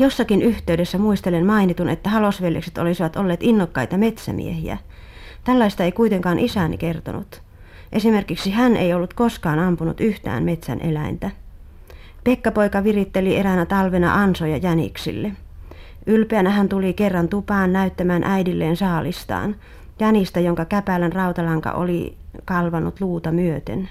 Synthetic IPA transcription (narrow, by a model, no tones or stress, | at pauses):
josːɑkinyht̪eydesːæmuist̪elenmɑinit̪unḛt̪ːæhɑlosʋeljḛkse̥t̪o̰lisiʋɑt̪olːeːt̪inːokːɑit̪ɑmet̪sæ̰mḭehiæ̰ | t̪ælːɑist̪ɑeikuit̪eŋkɑːnʔisænḭkert̪o̰nṵt̪ | ʔesimerkiksihænḛiolːut̪koskɑːnɑmpunṵt̪yht̪æ̰ːnmet̪sæ̰nʔḛlæint̪æ | pekːɑpoikɑʋirit̪ːelierænæt̪ɑlʋenɑ̰ʔɑnsojɑjænḭksḭlːe | ʔylpeænæhænt̪ulikerːɑnt̪upɑːnnæyt̪ːæmæːnʔæidilːeːnsɑːlist̪ɑ̰ːn | jænist̪æjoŋkɑkæpælænrɑut̪ɑlɑŋkɑ̰ʔo̰likɑlʋɑnut̪luːt̪ɑmyøt̪ḛn